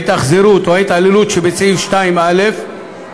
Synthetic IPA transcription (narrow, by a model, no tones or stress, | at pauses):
t̪aχzeɾut̪oejt̪alilut̪ʃebet͡seifʃt̪aimalef